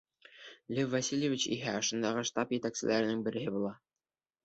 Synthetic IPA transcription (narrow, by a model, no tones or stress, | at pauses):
lʲɘvvːasʲilʲjevʲit͡ɕḭɦæɒ̆ʃɤ̆nd̪ɑʁɤʃt̪ɑpjɘ̆t̪æksɘ̆lʔæɾɘ̆nɘŋbɘ̆ɾɘ̆ɦɘbulˠɑ